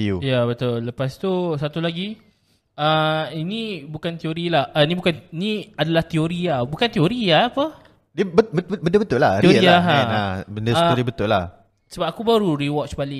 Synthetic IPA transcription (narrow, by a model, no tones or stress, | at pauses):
iujabət̪ʊlːəpast̪usat̪ulaɡi | əinĩbukant̪ioɾilahʔanĩbukaninĩadalaht̪ioɾiabukant̪ioɾiaːpə | diəbəbəbəndəbət̪ʊʔla̰ioɾiaɦãnabəndəauɾibət̪ʊla̰h | səbap̚akubaɾuɾiwɔt͡ʃbalɪ